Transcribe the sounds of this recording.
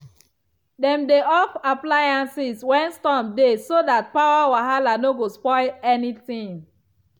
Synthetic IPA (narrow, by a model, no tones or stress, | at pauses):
dɛ̃mdeɔfaplajãnsiswɛ̃nstɔ̃mdesodat̚pawawaɦalanoɡospɔɪɛnitĩŋ